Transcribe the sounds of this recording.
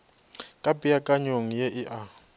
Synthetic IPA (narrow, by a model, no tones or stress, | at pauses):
kʼabʼijakʼaɲoŋijɛʔiʔa